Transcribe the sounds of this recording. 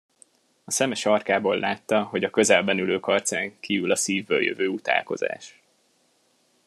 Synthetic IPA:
ɒsɛmɛʃɒrkaːboːlːʔaːt̪ːɒɦo̞ɟɒkø̞zɛlbɛnyløːkɒrt̪saːŋkiːvylɒsiːvːø̰ːljø̰vøːut̪a̰ːlko̞̰za̰ːʃ

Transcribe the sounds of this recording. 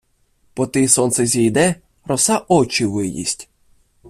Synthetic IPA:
pɔt̪ɪsɔnt̪sɛzʲijd̪ɛ | ɾɔsɑʔɔt͡ʃiʋɪjḭsʲtʲ

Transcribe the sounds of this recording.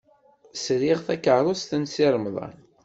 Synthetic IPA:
sɾiʁθækəɾˤost̪ənsiɾˤəmðˤɑ̰n

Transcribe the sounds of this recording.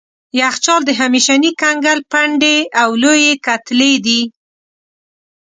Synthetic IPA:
jaxt͡ʃɑld̪əɦamiʃanikaŋɡalpaɳɖeawlojekat̪led̪i

